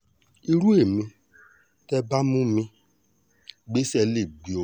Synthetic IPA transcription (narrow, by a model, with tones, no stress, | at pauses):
i˧ɾu˦e˦˨mĩ˧ | tɛ˦ba˦mũ˦mĩ˧ | ɡ͡be˦sɛ˧le˦˨ɡ͡bi˨o˨